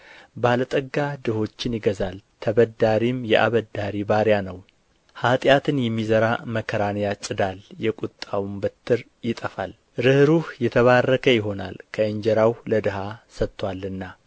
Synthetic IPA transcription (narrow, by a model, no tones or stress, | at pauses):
balət̪ʼəɡːad̪ɨho̞t͡ʃːɪnjɪɡəzalt̪ʰəβəd̪ːaɾimjɛʔa̰βəd̪ːaɾibaɾjanəw | hat̪ʼjat̪ʰɨnjɛmːizəɾaməkʰːəɾanjat͡ʃʼɪd̪aljɛkʼut̪ʼːawumbət̪ʰːɨɾ | jɪt̪ʼəfal | ɾɨhɾuhjɛt̪ʰəβarːəkʰəjɪɦo̞nalkʰəəɲd͡ʒɛɾawləd̪ɨɦasət̪ːwalːɨnːa